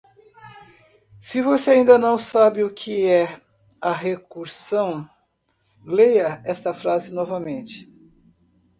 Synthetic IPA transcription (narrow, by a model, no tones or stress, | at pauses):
sɪvoseaĩnd̪ɐnɐ̃w̃sabɪʊkʰɪɛ | ɐɦekuɾsɐ̃w̃ | lejɐɛst̪ɐfɾazɪnɔvɐmẽnt͡ʃɪ̥